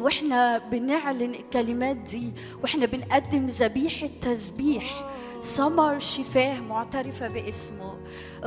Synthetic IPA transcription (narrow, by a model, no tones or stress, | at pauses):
ʔɪħnæbɪnɪʕlɪnɪlkːælɪmæːt̪̚d̪iː | wʔeħnæbɪnʔæd̪ːɪmzæbiːħɪt̪ːæsbiːħ | sɑmɑɾˤʃɪfæːhmʊʕt̪æɾɪfabɪʔɪsmʊ